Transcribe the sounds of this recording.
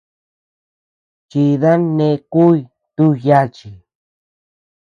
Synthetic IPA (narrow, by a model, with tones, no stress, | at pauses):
ki˧ða˦nẽ˧ku˦j | t̪u˦ja˦t͡ʃi˨